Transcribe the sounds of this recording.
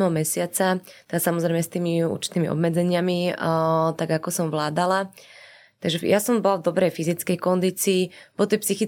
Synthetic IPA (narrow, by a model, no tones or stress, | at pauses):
mɛɦɔmɛsɪat͡sat̪ɛd̪asamɔzɾɛjmɛst̪iːmiṵɾt͡ʃi̥t̪iːmḭʔɔ̰bmɛd͡zɛɲɪami | t̪aɡakɔsɔmʋlaːd̪ala | t̪aɡʒɛjasɔmbɔlavd̪ɔbɾɛjfizit͡skɛjkɔnd̪iːt͡siːpɔt̪ɛjpsixi